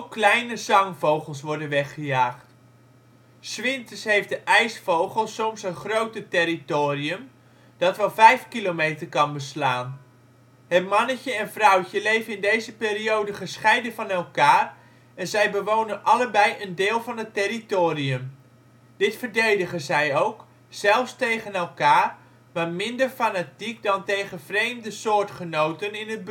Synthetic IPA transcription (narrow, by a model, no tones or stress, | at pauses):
klɛjnəzɑŋvowχəlˠsʋɔɹdənʋɛχəjaːχt | sʋɪntəsɦejfdəʔɛjsfowχəlˠsɔmsənχrowtətɪɾitoːriəm | d̥ɑtʋɛlˠvɛjfkilomejtərkɑnbəslaːn | ɦətmɑnəcəɛnvrʌwcəlejvənɪndejzəpɪːɾiowdəχəsχɛjdəvɑnɛlˠkaːr | ɛnzɛjbəʋownənʔɑləbɛjʔəndɪːlˠvɑnətɪritoːriəm | d̥ɪtfərdejdəχəzɛjowk | sɛlˠfstejχənɛlˠkaːr | ʋamɪndərfanatik̚dɑntejɣəvrejmdəsoːrtχənowtənɪnəd̚b